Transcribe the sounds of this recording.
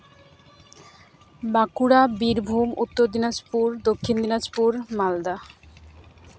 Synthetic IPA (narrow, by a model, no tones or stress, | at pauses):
bakuɾabiɾbʱumut̪ːoɾd̪inad͡ʑpuɾd̪okʰːind̪inad͡ʑpuɾmald̪a